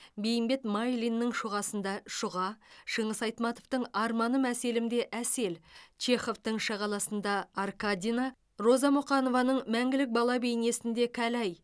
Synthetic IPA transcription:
be̞jɪmbe̞t̪majlʲinːəɴʃʊʁɑsənd̪ɑʃʊʁɑʃəɴəsɑjt̪mɑt̪ovt̪əɴɑɾmɑnəmæse̞lɪmd̪e̞ʔæse̞lt͡ʃe̞χo̞ft̪əɴʃɑʁɑlˠɑsənd̪ɑːrkad̪ʲina | ro̞zɑmʊqɑno̞vɑnəɴmæŋɡʲɪlɪk̚bɑlˠɑbejne̞sɪnd̪e̞kʲʰælæj

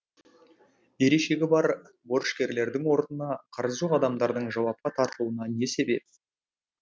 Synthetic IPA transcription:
je̞ɾeʃe̞ɡʲɪbɑɾ | bo̞ɾəʃkʲe̞ɾle̞ɾd̪ɪŋwo̞ɾnənɑqʰɑɾəzʒoʁɑd̪ɑmd̪ɑɾd̪əɴʒɑwɑp̚qɑt̪ʰɑɾt̪əlˠuənɑne̞se̞be̞p̚

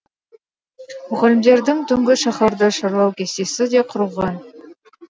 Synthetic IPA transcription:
mɵʁælʲɪmd̪e̞ɾd̪ɪŋt̪ʰʏŋɡʲɪʃɑχɑɾd̪əʃɑɾlˠɑwkʲʰe̞st̪e̞sɪd̪eqʰʊɾəlˠʁɑn

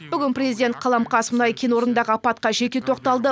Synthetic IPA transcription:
bʏɡʲɪnpɾʲezid̪ʲe̞nt̪̚qʰɑlˠɑmqɑsmʊnɑjkʲʰenwo̞ɾənd̪ɑʁəɑpɑt̪qɑʒe̞kʲet̪ʰo̞qt̪ɑlˠd̪ə

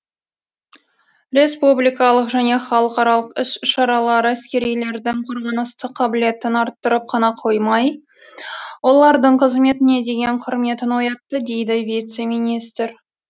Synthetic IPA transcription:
ɾe̞spublijkɑlˠəqʒæne̞χɑlˠəqɑɾɑlˠəqɪsʃɑɾɑlˠɑɾəæskʲe̞ɾijle̞ɾd̪ɪŋqʰoɾʁɑnəst̪əqʰːɑbɪle̞t̪ɪnɑɾt̪ːəɾəp̚qʰɑnɑqʰo̞jmɑj | wo̞lˠɑɾd̪əɴqʰəzme̞t̪ɪne̞d̪e̞ɡʲe̞ɴqʰʊɾme̞t̪ɪnwo̞jɑt̪ːəd̪e̞jd̪ɪvijt̪se̞minist̪ɾ

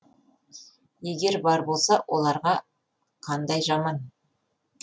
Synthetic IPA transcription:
jeɡʲe̞ɾbɑɾbo̞lˠsɑwʔo̞lˠɑɾʁɑ | qʰɑnd̪ɑjʒɑmɑn

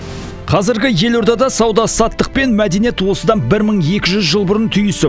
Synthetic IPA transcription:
qʰɑzɪɾɡʲɪje̞loɾd̪ɑd̪ɑsɑwd̪ɑsɑt̪ːəq̚pe̞nmæd̪e̞nije̞t̪wo̞səd̪ɑnbɪɾməɴje̞kʲɪʒʏzʒəlˠbʊɾənt̪ʰʏjɪsɪ

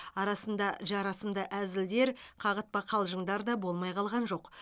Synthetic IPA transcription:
ɑɾɑsənd̪ɑʒɑɾɑsəmd̪ɑʔæzɪld̪e̞ɾqʰɑʁət̪̚bɑqʰɑlˠʒəɴd̪ɑɾd̪ɑbo̞lˠmɑjqʰɑlˠʁɑnʒo̞q

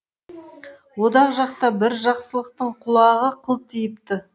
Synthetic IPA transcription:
wod̪ɑʁʒɑq̚t̪ɑbɪɾʒɑqsəlˠəqt̪əɴqʰʊlˠɑʁəqʰəlˠt̪ʰijɪpt̪ɪ

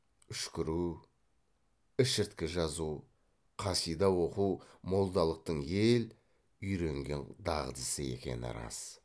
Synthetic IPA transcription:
ʏʃkʲɪɾu | ɪʃɪɾt̪kʲɪʒɑzu | qʰɑsijd̪ɑwo̞qumo̞lˠd̪ɑlˠəq̚t̪əɴje̞l | ʏjɾe̞ŋɡʲe̞nd̪ɑʁəd̪əsəe̞̰kʲe̞̰nɪ̰ɾɑ̰s

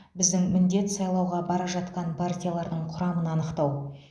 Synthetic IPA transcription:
bɪzd̪ɪŋmɪnd̪e̞t̪sɑjlˠɑwʁɑbɑɾɑʒɑt̪qɑnpʰart̪ʲijalˠɑɾd̪əɴqʰʊɾɑmənɑnəqt̪ɑw

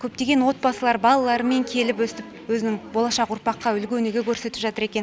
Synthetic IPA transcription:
kʲʰɵp̚t̪e̞ɡʲe̞nwo̞t̪̚bɑsəlˠɑɾbɑlˠɑlˠɑɾəme̞ŋkʲʰe̞lɪpwɵsɪt̪ɪpwɵzɪnɪŋbo̞lˠɑʃɑqʊɾpɑqːɑʏlɡʲɵneɡʲekʲʰɵɾse̞t̪ɪpʒɑt̪əɾe̞kʲe̞n

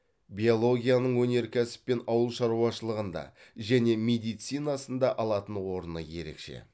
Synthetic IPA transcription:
bʲio̞lˠo̞ɡʲijanəɴwɵne̞ɾkʲʰæsɪ̥pːe̞nɑwəlˠʃɑɾuɑʃəlˠəʁənd̪ɑ̰ʒæne̞me̞d̪ijt̪sijnɑsənd̪ɑʔɑlˠɑt̪ənwo̞ɾənəje̞̰ɾe̞̰kʃe̞̰

